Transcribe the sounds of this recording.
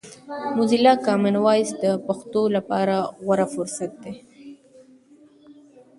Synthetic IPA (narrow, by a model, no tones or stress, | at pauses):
mʊzilɑkɑmɪnwɑjsd̪əpaxt̪olapɑɾaɣwaɾafʊɾsat̪̚d̪e